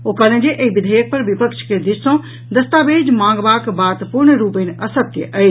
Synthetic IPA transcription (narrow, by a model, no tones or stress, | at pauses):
okalə̃d͡ʒeʔeibid̪ʱəjək̚pɐɾʋipəkt͡ʃʰked̪isɔ̃ | d̪ɐst̪aːbeːd͡ʒmãːŋɡbaːkbaːt̪puɾɳɾuːpənɐsət̪jə̰ʔɐj